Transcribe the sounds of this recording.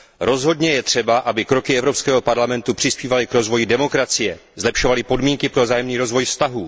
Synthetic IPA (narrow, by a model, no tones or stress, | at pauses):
ɾo̞zɦo̞dɲɛjɛt̪r̝̥ɛbaʔabɪkɾo̞kɪɛvɾo̞pskɛːɦo̞paɾlamɛnt̪upr̝̥ɪspiːvalɪkɾo̞zvo̞jɪdɛmo̞kɾat͡sɪjɛ | zlɛpʃo̞valɪpo̞dmiːŋkɪpɾovzaːjɛmniːɾo̞zvo̞jfst̪aɦuː